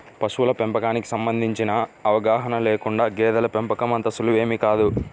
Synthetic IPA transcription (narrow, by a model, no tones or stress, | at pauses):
pɐsuwulɐpempɐkaːniki̥sɐmbɐnd̪ʱiɲt͡ʃinɐɐʋɐɡaːɦɐnɐleːkuɳɖaːɡɛːd̪ɐlɐpempɐkɐmɐnt̪ɐsuluʋe̞ːmikaːd̪u